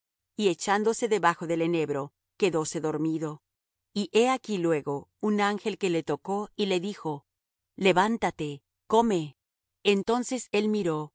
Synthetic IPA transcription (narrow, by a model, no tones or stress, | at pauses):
ie̞t͡ʃand̪o̞se̞ðe̞βaxo̞ðele̞ne̞βɾo̞ | ke̞ðo̞se̞ðo̞ɾmiðo̞ | iʔeakilwe̞ɣo̞unaŋxe̞lke̞le̞t̪o̞ko̞ile̞ðixo̞ | le̞βant̪at̪e̞ | ko̞me̞ː | nt̪o̞nse̞se̞lmiɾo̞